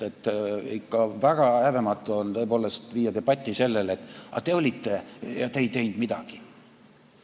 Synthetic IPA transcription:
et̪ːˑikːɑvæɡ̥ɑæve̞mɑt̪ːˑuont̪ɤ̞epo̞ːle̞st̪viːjɑd̪e̞b̥ɑt̪ʲːˑise̞lːe̞let̪ːˑɑ̰t̪e̞o̞lʲit̪ːe̞jɑt̪ejt̪e̞jnd̪̥mid̪̥ɑɡ̥i

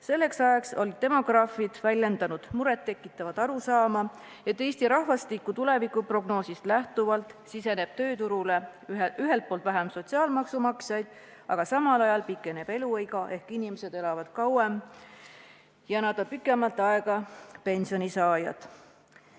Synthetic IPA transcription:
se̞lːe̞ksɑjɑkso̞lit̪ːe̞mo̞ɡ̥rɑːfid̪̥vælʲje̞nd̪ɑnud̪̥muɾet̪ːe̞kːˑit̪ːˑɑvɑd̪̥ɑɾusɑːmɑ | jɑt̪e̞jst̪iɾɑhvɑst̪ikːˑut̪ule̞vikːˑupro̞ɡno̞ːsist̪læht̪uvɑlt̪ˑsise̞ne̞b̥t̪ø̞ːt̪uɾule̞yɦe̞lt̪̚po̞ːlt̪væɦæmso̞t̪ʲsiɑːlmɑksumɑksjɑjd̪̥ | ɑɡ̥ɑsɑmɑlɑjɑlpikːˑe̞neb̥e̞luɤjɡ̥ɑʔe̞hkinimese̞d̪e̞lɑvɑd̪̥kɑwem | jɑænɑd̪ɑpikːˑe̞mɑlt̪ːˑɑeɡ̥ɑpe̞nʲsio̞nisɑːjɑ̰d̪̥

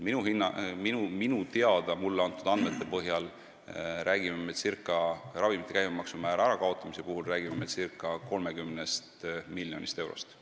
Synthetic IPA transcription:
minuɦinːɑminuminut̪e̞ɑd̪̥ɑmulːeɑnt̪ːˑud̪ɑnd̪me̞t̪ːˑe̞pɤɦjɑl | ɾʔæːɡimemesirkːˑɑrɑvimit̪ːˑe̞kæjmemɑksumæːɾɑæɾɑkɑo̞t̪ːˑɑmise̞puɦulræːɡ̥imemesirkːˑɑko̞lmekymnest̪milːjo̞̰nist̪e̞wɾo̞̰st̪

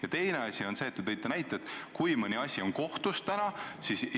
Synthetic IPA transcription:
jɑt̪e̞jne̞ɑsʲio̞nse̞ːt̪ːet̪ɤjt̪ːˑenæjt̪ːˑeet̪ːˑkujmənʲiɑsʲio̞nko̞ht̪ust̪ænɑsis

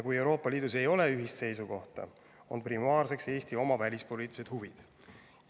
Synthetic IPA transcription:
kuje̞wɾo̞ːpːˑɑliːd̪̥us̬e̞jo̞le̞yɦist̪se̞jsuko̞ht̪ɑ̰ | o̞̰nprimɑːrse̞kse̞ːst̪io̞mɑvælʲispo̞lʲiːt̪ːˑlised̪̥huvid̪̥

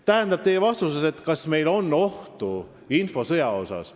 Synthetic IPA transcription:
t̪æɦænd̪̥ɑb̥̚t̪e̞jevɑst̪useset̪kɑsme̞jlo̞nːo̞ht̪u | info̞sɤjɑo̞̰sɑ̰s

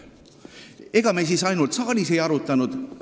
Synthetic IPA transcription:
e̞ɡ̥ɑmejs̬isɑjnult̪sɑːlʲise̞jɑɾut̪ːˑɑnud̪̥

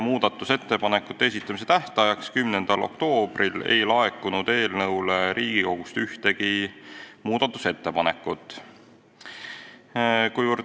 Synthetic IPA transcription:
muːd̪̥ɑt̪ːˑuse̞t̪ːe̞pɑnekːˑu̥t̪ːees̬it̪ːˑɑmis̬e̞t̪æht̪ɑjɑkskymnend̪̥ɑlʔo̞̰kt̪o̞ːb̥rile̞̰jlɑe̞kːˑunud̪̥e̞ːlnɤwleɾiːɡ̥iko̞ɡ̥ust̪yht̪e̞ɡi | muːd̪̥ɑt̪ːˑuse̞t̪ːe̞pɑnekːˑut̪ːˑ | kujvər

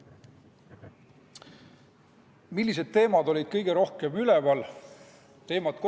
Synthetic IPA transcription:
milːis̬e̞d̪̥̚t̪e̞ːmɑd̪o̞lʲid̪̥̚kɤjɡ̥e̞ɾo̞hke̞mylevɑl | t̪e̞ːmɑt̪ko

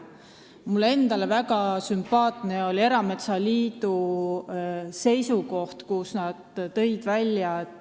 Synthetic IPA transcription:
mulːe̞nd̪̥ɑlevæɡ̥ɑsympɑːt̪ˑne̞o̞lʲie̞ɾɑme̞t̪sɑliːd̪̥u | se̞jsuko̞ht̪kusnɑd̪̥ːɤ̞jd̪̥vælʲːjɑe

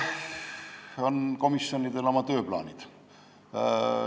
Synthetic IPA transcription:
onko̞misjonid̪elo̞mɑt̪øːplɑ̰ːnʲid̪̥

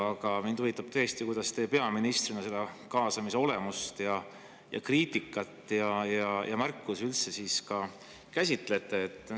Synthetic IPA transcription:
ɑɡ̥ɑmind̪uvit̪ːˑɑb̥t̪ø̞jest̪ikujd̪̥ɑst̪e̞pe̞ɑminist̪rinɑselːekɑːsɑmise̞o̞le̞must̪jɑ | jɑ̰kriːt̪ikːˑɑt̪ːˑjɑjɑjɑ̰mærkːˑusylt̪se̞siːskɑ | kæsʲit̪ˑle̞t̪ːˑe̞ːt̪ːˑ

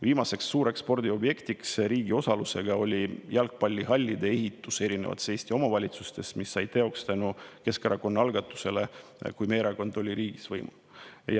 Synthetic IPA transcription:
viːmɑse̞ksːuːɾe̞kspo̞rd̪̥ʲio̞bje̞kt̪iksriːɡio̞sɑluse̞ɡ̥ɑo̞lʲijælk̚pɑlʲːiɦɑlʲːid̪e̞e̞ɦit̪ːˑuse̞ɾinevɑ̰t̪seːsʲt̪io̞mɑvɑlʲit̪sust̪e̞smisːɑjt̪e̞o̞kst̪ænuke̞skɑɾʔɑko̞nːɑɑlɡ̥ɑt̪ːˑu̥se̞le̞kujme̞ːɾɑko̞nd̪o̞lʲːiɾiːɡ̥isvɤjmṵ | j

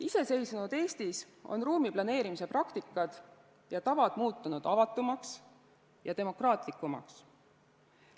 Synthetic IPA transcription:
ise̞se̞jsunud̪̥e̞ːst̪is | o̞̰nruːmiplɑne̞ːɾimise̞prɑkt̪ikːˑɑd̪̥ | jɑt̪ɑvɑd̪̥muːt̪ːˑunud̪̥ɑvɑt̪ːˑumɑks | jɑt̪e̞mo̞krɑːt̪ˑlikːˑumɑ̰ks

